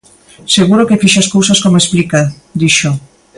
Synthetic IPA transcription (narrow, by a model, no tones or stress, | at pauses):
seɣuɾokefiʃaskowsaskomoesplika | d̪iʃo